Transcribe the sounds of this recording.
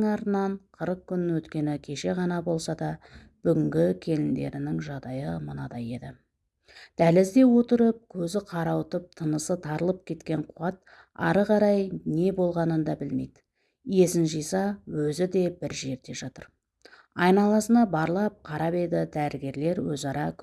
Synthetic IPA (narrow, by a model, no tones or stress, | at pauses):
ŋɑɾənɑɴqʰəɾəq̚kʲʰːʏnwɵt̪kʲe̞nɪkʲʰe̞ʃe̞ʁɑnɑbo̞lˠsɑd̪ɑ | b̥ʏɡʲɪŋɡʲɪkʲʰe̞lɪnd̪e̞̰ɾɪnɪŋʒɑʁd̪ɑjəmənɑd̪ɑje̞d̪ɪ | d̪̥ælɪzd̪e̞wo̞t̪əɾəp̚kʲʰɵzɪqʰɑɾɑwət̪əp̚t̪ʰənəsət̪ʰɑɾəlˠəp̚kʲʰe̞t̪kʲe̞ɴqʰuwɑt̪̚ | ɑ̰ɾəʁɑɾɑjne̞bo̞lˠʁɑnənd̪ɑbɪlme̞̰jd̪ɪ | ije̞sɪnʒijsɑwɵzɪd̪e̞bɪɾʒe̞ɾd̪e̞ʒɑt̪əɾ | ɑjnɑlˠɑsənɑbɑɾlˠɑp̚qʰɑɾɑpe̞d̪ɪd̪æɾɪɡʲe̞ɾle̞ɾwɵzɑɾɑkʲʰ